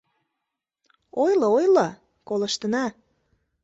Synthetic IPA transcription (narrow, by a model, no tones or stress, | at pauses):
ojləojlə | kolə̆ʃt̪ə̆nɑ